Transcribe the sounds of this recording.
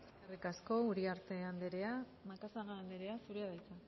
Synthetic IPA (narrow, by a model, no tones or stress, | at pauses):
eskarikasko̞uɾiaɾt̪e̞and̪eɾe̞a | makasaɣaand̪eɾe̞asuɾeaðajt͡sa